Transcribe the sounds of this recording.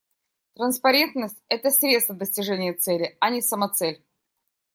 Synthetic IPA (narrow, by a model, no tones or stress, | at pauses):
t̪ɾənspɐɾʲe̞nt̪nəsʲtʲɛt̪əsɾʲet̪st̪vəd̪əsʲtʲɪʐɛnʲɪjət̪sɛlʲɪɐnʲɪsəmɐt̪sɛlʲ